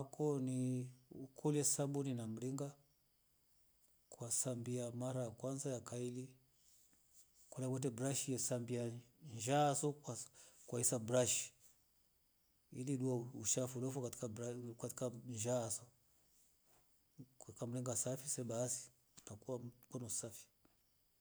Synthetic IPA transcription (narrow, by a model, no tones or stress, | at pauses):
akɔniukʰɔlɛsaɓuninam̩liŋɡa | kwasambiamaɾajakwanzajakaili | kulakwɛt̬ɛbɾaʃijɛsambiaɲʒasɔ | kwaisabɾaʃi̥ | iliɗuauʃafulɔfɔkaakati̥kaɲʒasɔ | kkam̩ɾiŋɡasafisɛɓasi̥ | pakuwakɔnɔsafi̥